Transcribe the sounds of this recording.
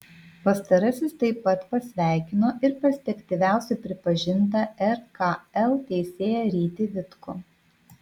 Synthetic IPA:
pɐst̪ɐɾɐsʲɪst̪ɐɪpːɐt̪pɐsʲʋʲæˑɪkʲɪnoːʔɪɾpɐsʲt̪ʲɛkt̪ʲɪʋʲæˑʊsʲɛɪpʲɾʲɪpɐʒʲɪnt̪ɐɛɾkɐɛlˠt̪ʲɛɪsʲeːjɛɾʲiːt̪ʲɪʋʲɪt̪ko

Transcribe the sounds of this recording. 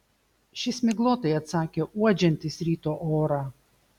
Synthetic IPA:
ʃʲɪsmʲɪɡlˠoːt̪ɐɪɐt̪sɑːkʲeuɔd͡ʒʲɛnʲt̪ʲɪsɾʲiːt̪oʔoːɾɑ

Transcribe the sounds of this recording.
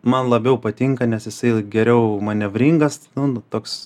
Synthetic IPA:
mɐnlˠɐbʲɛʊpɐt̪ʲiŋkɐnʲɛsjɪsɐɪɡʲɛɾʲɛʊmɐnʲɛʋʲɾʲiːŋɡɐsnʊnt̪oːks

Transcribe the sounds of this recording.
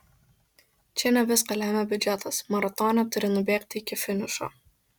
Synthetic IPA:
t͡ʃʲɛnʲɛʋʲɪskɐlʲæːmʲɛbʲʊd͡ʒʲæt̪ɐsmɐɾɐt̪ɔːnʲɛt̪ʊɾʲɪnʊbʲeːkt̪ʲɪkʲɪfʲɪnʲɪʃo̰ː

